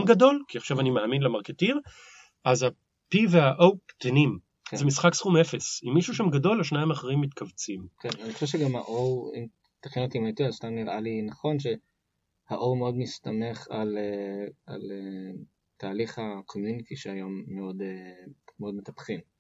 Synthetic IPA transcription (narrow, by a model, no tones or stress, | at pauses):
mɡado̞lkiaχʃavanimaːminlemaʁketiʁ | aza | piveaʔowt̪enim | kzemisχaksχumefesimːiʃuʃamɡado̞lhaʃnaimaχeʁimːit̪kʰavt͡simkʰenanixo̥ʃeʃeɡamha̰ʔowḭm | t̪ḁχjonot̪imajt̪iazst̪amniʁʔalinaχo̞nʃe̞ | haʔowmeo̞dmist̪ame̞χalea̰le | t̪aːliχakʰomjunit̪iʃeajomːeo̞demeo̞dmet̪apχim